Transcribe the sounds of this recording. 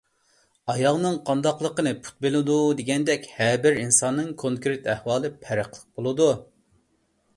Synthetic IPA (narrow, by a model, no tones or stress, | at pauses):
ɑjɑʁnɨŋqʰɑnd̪ɑqlˠəqənɨpʰu̥t̪̚belɪd̪ud̪eɡʲɛnd̪ɛkʲhɛbɪɾinsɑnːɨŋkʰoŋkɾɪt̪ʰæhwɑːlˠɨpʰæɾɪqlˠə̥q̚bolˠɨd̪u